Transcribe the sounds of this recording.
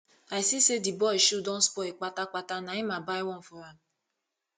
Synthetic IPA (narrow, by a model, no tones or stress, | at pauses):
ajsisedibɔiʃodɔ̃n̩spɔik͡patak͡patanaimabaiwɔm̩fɔɾa